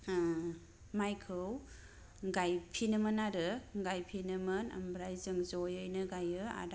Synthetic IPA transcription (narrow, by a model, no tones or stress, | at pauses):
majkʰɯw | ɡajpʰinɯmɯnaɾɯɡajpʰinɯmɯna̰mbɾajzɯŋzɔjɯjnɯɡajɯa̰da